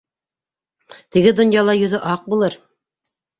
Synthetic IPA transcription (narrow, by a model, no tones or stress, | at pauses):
t̪ɘ̆ɡɘd̪ŏnjɑlˠɑjɵ̆ðɵʔɑq̚bulˠɤɾ